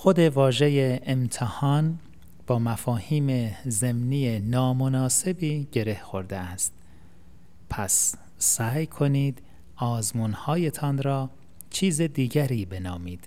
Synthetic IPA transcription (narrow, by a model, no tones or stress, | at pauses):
xo̞d̪e̞vɒːʒe̞jeːmt̪ʰehɒːn | b̥ɒːmæfɒːhiːmeze̞mniːjenɒːmonɒːse̞biːɟe̞ɾe̞hxo̞ɾd̪eæst̪̚ | pʰæsː | æːjkʰo̞niːd̪ | ɒːzmuːnhɒːjet̪ʰɒːnɾɒː | t͡ʃʰiːzed̪iːɟæɾiːbe̞nɒːmiːd̪̥